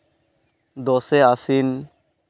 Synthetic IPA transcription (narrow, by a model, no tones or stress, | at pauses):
d̪ɔseasin